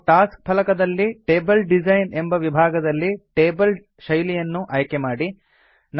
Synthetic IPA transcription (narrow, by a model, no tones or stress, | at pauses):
ʈaːsk̚pʰɐlɐkɐd̪ɐlːiʈe̞ːbɐlɖid͡ʒɐjnembɐʋibʱaːɡɐd̪ɐlːiʈeːbɐl | ʃɐjlijɐnːuʔɐjkemaːɽi | n